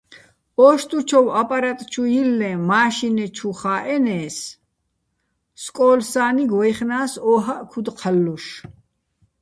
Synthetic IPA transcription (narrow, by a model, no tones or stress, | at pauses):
ɔːʃt̪ʼut͡ʃʰɔwapʼaɾat̪ʼt͡ʃʰujilːɛ̃maːʃinɛt͡ʃʰuχaːʔɛnɛːs | skʼɔːlsaːniɡwɔjχnaːsɔːɦaʔkʰud̪qʰalːuʃ